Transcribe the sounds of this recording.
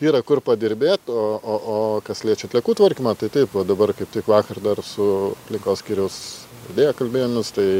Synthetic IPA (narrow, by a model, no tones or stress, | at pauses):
iːɾɐkʊrpɐd̪ʲɪɾʲbʲeːt̪oːoːʔoːkɐslʲeːt͡ʃʲɛɐt̪ʲlʲɛkuːt̪ʋɐrʲkʲɪmɐt̪ɐɪt̪ɐɪpoːd̪ɐbɐrkɐɪp̚t̪ʲɪkʋɑːkɐrd̪ɐrsʊɐpʲlʲɪŋkoːsʲkʲiːɾʲɛʊs | ɐd̪ʲeːjokɐlʲbʲeːjmʲɪst̪ɐɪ